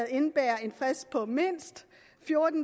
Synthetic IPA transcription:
ð̩ˠe̝nb̥æːɐe̝nfʁɛspʰɒ̽me̝n̰sd̥ | fjo̝ɐd̥n̩

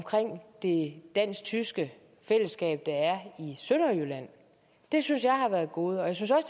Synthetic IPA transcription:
mkʰʁeŋ̰d̥e̝d̥æn̰sɡ̥̚t͡sʰysɡ̥ə | fel̰əsɡ̥ɛ̰ːb̥̚d̥ɑ̈æɐisønɐjølæn̰ | d̥e̝synsjɑ̈ɪhɑ̈ʋæːɐð̩ˠɡ̥o̝ːð̞̩ˠɒjäɪsynsɒ̽s

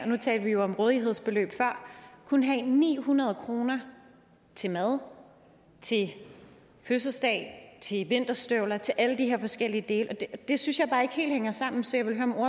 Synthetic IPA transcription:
nut͡sʰɛ̰ːldəʋijo̝ɒ̽mʁɔːð̞ˠiɦe̝ð̞̰ˠsb̥e̝lø̰ːb̥fɶɐ̰kʰunəɦɛnḭːhunɐð̞̩ˠəkʰʁo̝ːnɐ | t͡sʰe̝mæð̞ˠ | t͡sʰe̝ | føs̬əsd̥ɛ̰ɪt͡sʰe̝ʋe̝n̰d̥ɐsd̥øʊlɐt͡sʰe̝lʔæləd̥iɦe̝ɐfɒ̽sɡ̥el̰iəd̥e̝ːləɒ̥̽d̥e̝synsjɑ̈ɪb̥ɑ̈ːe̝ɡ̥he̝̰ːldheŋɐsɑ̈m̰n̩sɒ̽jɑ̈ɪʋelɦøɐɒ̽mo̝ɐ̰

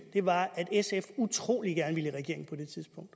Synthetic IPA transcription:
d̥e̝ʋɑ̈æd̥esefut͡sʰʁo̝̰ːlid̥ɡ̥æɐnəʋiləʁɛɡ̥e̝ɐeŋn̩pʰɒ̽d̥e̝t͡sʰiðˠsb̥ɔ̽ŋ̰d̥

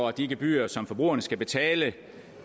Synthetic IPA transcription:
ɒd̥iɡ̥əb̥y̰ːɐsɒ̽mfɒ̽b̥ʁṵɐnəsɡ̥æb̥e̝t͡sʰɛːlə

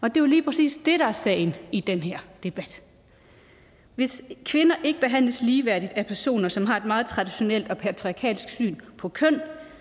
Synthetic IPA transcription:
ɒ̽d̥e̝joliːpʰʁɛsḭːsd̥e̝ɾ̥ɑ̈æɐsɛ̰ɪnid̥enɦeɐ̰d̥e̝b̥æd̥ | ʋe̝skʰʋe̝nɐʔe̝ɡ̥əb̥e̝ɦæn̰ləsliːʋæɐ̰d̥id̥æpʰæɐso̝̰ːnɐsɒ̽mɦɑ̈e̝d̥mɑ̈ːð̞̩ˠt͡sʰʁɑ̈d̥iɕo̝nel̰d̥ɒ̽pʰæt͡sʰʁiɑ̈kʰɛ̰ːlisɡ̥sy̰ːnpʰɒ̽kʰœn̰

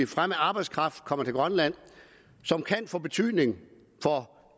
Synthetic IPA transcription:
ifʁamæɑ̈ːb̥ɑ̈ɪdskʰʁɑ̈fd̥kʰɒ̽m̰ɐt͡sʰe̝lɡ̥ʁɶnlæn̰ | sɒ̽mkʰænfɔ̰̽ːb̥e̝t͡sʰy̰ð̰ˠne̝ŋ | fɒ̽

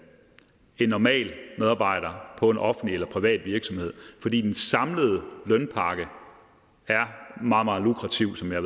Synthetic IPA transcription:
e̝nːɒmɛ̰ːlmeðˠɑ̈ːb̥ɑ̈ɪ̰ɾ̥ɐpʰɒ̽e̝nʔɒ̽fn̩lielɐpʰʁiʋɛ̰ːd̥ʋiɐɡ̥sɒ̽mhe̝ð̞̰ˠfɒ̽d̥ḭːd̥ensɑ̈mləð̞̩ˠəlœnpʰɑ̈ːɡ̥ə | æɐmɑ̈ːð̩ˠmɑ̈ːð̩ˠlukʰʁɑ̈t͡sʰiʊsɒ̽mjɑ

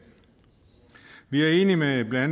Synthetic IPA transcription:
ʋiæɐe̝ːnimeæb̥læn

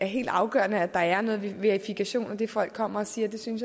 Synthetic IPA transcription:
æɐɦe̝̰ːld̥ɑ̈ʊɡ̥ɶ̰ɐnəæd̥ɑ̈æɐnɔ̽ːð̞ˠʋʋeɐʁifikʰæɕo̝̰ːnɒd̥e̝fɒ̽l̰ɡ̥̚kʰːɒ̽m̰ɐɒ̽siːɐd̥e̝synsj

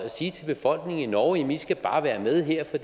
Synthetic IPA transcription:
æsiːt͡sʰe̝lb̥e̝fɒ̽l̰ɡ̥ne̝ŋ̩inɒːʊem̩isɡ̥æb̥ɑ̈ːʋæːɐmeð̞ˠɦeɐ̰fɒd̥

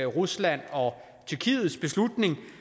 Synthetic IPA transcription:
ʁuslæn̰ɒ̽ | t͡sʰyɐkʰḭːð̩ˠsb̥e̝slud̥ne̝ŋ

